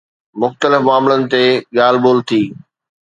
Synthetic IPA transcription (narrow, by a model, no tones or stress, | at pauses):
mʊxt̪əlɪfmaːmlənɪ̆t̪eɠaːlboːlt̪ʰiː